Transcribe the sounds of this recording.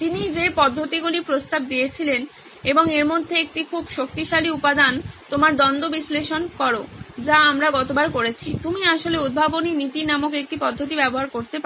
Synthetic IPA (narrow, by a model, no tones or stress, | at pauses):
t̪inid͡ʑepɔd̪ʱːot̪iɡulipɾost̪ab̚d̪ijet͡ɕʰilen | eboŋeɾmod̪ʱːeek̚ʈikʰubʃok̚t̪iʃaliupad̪ant̪omaɾd̪ɔnd̪obisleʃonkɔɾod͡ʑaamɾaɡɔt̪obaɾkoɾet͡ɕʰit̪umiaʃoleud̪̚bʱaboninit̪inamokek̚ʈipɔd̪ʱːot̪̬ibɛboɦaɾkoɾt̪epa